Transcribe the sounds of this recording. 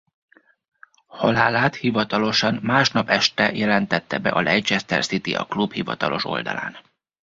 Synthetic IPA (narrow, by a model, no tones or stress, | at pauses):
hɒlaːlaːt̪hivɒt̪ɒlo̞ʃɒnmaːʃnɒpɛʃt̪ɛjʔɛlɛnt̪ɛt̪ːɛbɛ̰ʔɒlɛjt͡ʃɛst̪ɛ̰rsit̪iɒ̰klubhivɒ̰t̪ɒlʔo̞ʃo̞̰ld̪ɒ̰la̰ːn